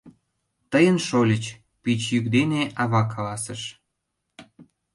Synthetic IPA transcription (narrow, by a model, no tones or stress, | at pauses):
t̪əjənʃolʲət͡ɕ | pit͡ɕjykd̪eneʔɑβɑkʰːɑlɑsəʃ